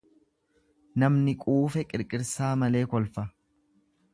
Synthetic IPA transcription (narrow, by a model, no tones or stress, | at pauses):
nɐmnɪkʼuːfɛkʼɪɾkʼɪɾsaːmɐle̞ːkɔlfɐ